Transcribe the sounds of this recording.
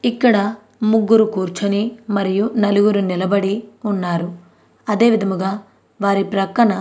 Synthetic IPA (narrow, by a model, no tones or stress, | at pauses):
ikːɐɽɐ | muɡːuɾukuːɾt͡ʃɐnimɐɾijunɐluɡuɾunilɐbɐɽiunːaːɾu | ɐd̪e̞ːʋid̪ʱɐmuɡaː | ʋaːɾipɾɐkːɐɳɐ